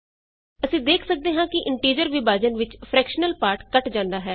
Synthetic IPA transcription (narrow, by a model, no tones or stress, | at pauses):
əsĩːd̪eːkʰsək̚d̪eːɦãːkɪʔɪɳʈiːɾd͡ʒəɾʋɪbaːd͡ʒənʋɪt͡ʃpʰɾɛːkʃənəlpaːɾʈkəʈd͡ʒãːnd̪aːɦɛː